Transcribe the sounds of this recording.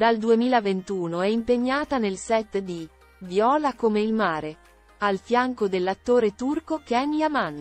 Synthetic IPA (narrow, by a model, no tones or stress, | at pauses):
d̪ald̪uemiːlavent̪uːnoɛimpeɲːaːt̪anelsɛt̪ːd̪i | vjɔːlakomeilmaːɾe | alfjaŋkod̪elːat̪ːoːɾet̪urkokɛniaman